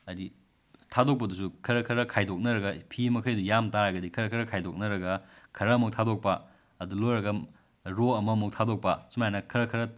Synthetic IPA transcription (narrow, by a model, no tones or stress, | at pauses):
ɐdi | tʰadok̚pɐdusukʰɐɾɐkʰɐɾɐkʰajdok̚nɐɾɐɡɐpʰimɐkʰɐjdujamtaɾɐɡɐdikʰɐɾɐkʰɐɾɐkʰajdok̚nɐɾɐɡɐkʰɐɾɐɐmɐk̚tʰadok̚pɐ | ɐdulojɾɐɡɐ | ɾoɐmɐmuk̚tʰadok̚pɐsumajnɐkʰɐɾɐkʰɐɾɐ